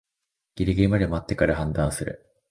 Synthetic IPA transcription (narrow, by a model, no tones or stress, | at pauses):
ɡ̥ʲiɾɯɡʲemɯd̪emoat̪ːe̞kaɾahãnd̪ãɰ̃sɨɾɯ̟̰